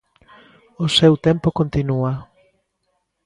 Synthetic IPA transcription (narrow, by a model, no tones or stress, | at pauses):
osewt̪empokont̪inua